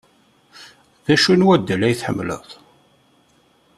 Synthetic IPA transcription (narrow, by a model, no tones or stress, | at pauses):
ðæʃunwæd̪ːælæjθħə̰mːlə̰ðˤ